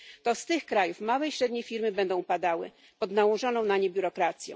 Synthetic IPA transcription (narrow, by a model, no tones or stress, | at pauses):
t̪ɔst̪ɘxkɾajufmawɛiɕɾɛd̪ɲefʲiɾmɘbɛnd̪ɔ̃w̃pad̪awɘ̰ | pɔd̪nawɔʐɔnɔ̃w̃naɲɛbʲjuɾɔkɾat̪sʲjɛ̰̃w